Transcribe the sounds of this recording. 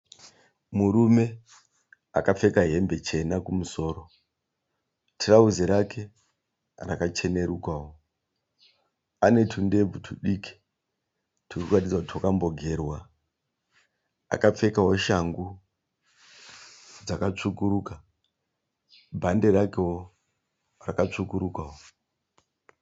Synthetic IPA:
muɾume̞ | a̰kap͡fe̞kaɦe̞mbe̞t͡ʃe̞nakumuso̞ːɾo̞ | tʰirauziɾakʰe̞ | rakat͡ʃe̞ne̞ɾukwawo | ane̞tʰunde̞b͡vutʰuɗiki̥ | tʰuukuratid͡zakutiwakambo̞ɡʱe̞rwa | a̰kap͡fe̞kaɦo̞ʃaŋɡu | d͡zakat͡ʂukuɾuka | bʱande̞ɾakewo | rakat͡ʂukuɾukwawo

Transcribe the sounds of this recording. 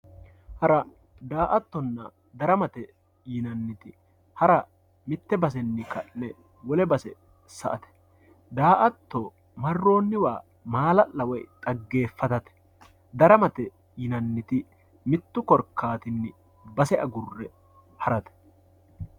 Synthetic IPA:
hɐɾɐ | d̪aːʔɐt̪ːɔnːɐ̰ | d̪ɐɾɐmɐt̪ɛ | jɪnɐnːɪt̪ɪ | hɐɾɐ | mɪt̪ːɛbɐs̬ɛnːɪkɐnɛ | wɔlɛbɐsɛ | sɐʔɐt̪ɛ̥ | d̪aːʔɐt̪ːo | mɐrːo̞ːnːɪwaː | maːlɐʔɐwɔjt̪ʼɐɡːe̞ːfːɐt̪ɐt̪ɛ̥ | d̪ɐɾɐmɐt̪ɛ | jɪnɐnːɪt̪ɪ | mɪt̪ːʊkɔɾkːaːt̪ɪnːɪ | bɐsɛʔɐɡʊrːɛ | hɐɾɐt̪ɛ̥

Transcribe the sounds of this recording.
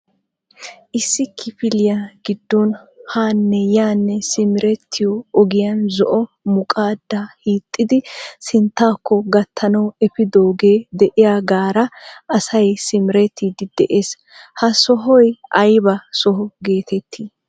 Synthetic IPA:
ʔɪsːɪkʰɪpɪlɪjaɡ̥ɪd̪ːɔnhaːnːɛjaːnːɛsɪmɪɾɛt̪ʰːɪjɔɔɡɪjɐnzɔʔɔ | mʊkʼaːd̪ːahiːt̪ʼːɪd̪ɪsɪnt̪ːaːkːɔɡɐt̪ʰːɐnɐwɛpɪd̪oːɡeːd̪ɛʔɪjaːɡaːɾɐʔɐsɐjsɪmɾɛt̪ːid̪ɪd̪̥ɛʔeːs | hɐsɔɦɔjʔɐjbɐsɔɦɔɡe̞ːt̪ɛt̪ʰːiː

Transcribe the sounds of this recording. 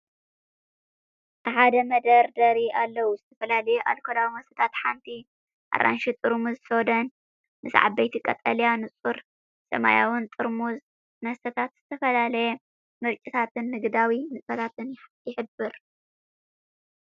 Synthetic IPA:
t̪ɨħad̪ɐmɐd̪ɐɾd̪ɐɾiʔalːɐwuzɨt̪ʰɐfɐlalɐjɛʔa̰lkʰolawmɐst̪ɐt̪ʰat̪ħant̪ʰi | ʔa̰ɾʔa̰nʃit̪ʼɨɾmuzsod̪ɐn | mɨsʕa̰bbɐjt̪ʰikʼɐt̪ʼɐlijanɨt͡sʼuɾ | sɐ̰ma̰ja̰wɨnt̪ʼɨɾmuz | nɐst̪ɐt̪ʰat̪z̥ɨt̪ʰɐfɐlalɐjɛ | mɨɾt͡ʃʼit̪ʰat̪ʰɨnːɨɡd̪awimɨt͡sʼɐlat̪ɨnjɪħɨbːɨɾ

